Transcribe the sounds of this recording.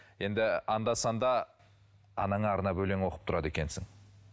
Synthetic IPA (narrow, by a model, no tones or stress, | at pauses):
je̞nd̪ɪɑnd̪ɑsɑnd̪ɑ | ɑ̰nɑɴɑːɾənɑbɵle̞ŋwo̞qə̥p̚t̪ʰʊɾɑd̪e̞kʲe̞nsɪŋ